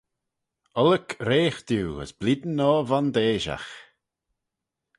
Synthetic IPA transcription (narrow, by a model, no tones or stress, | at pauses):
ɔləkɾeːxd̪̥uːə̰sblid̪n̩ɔːvand̪eːʒa̰x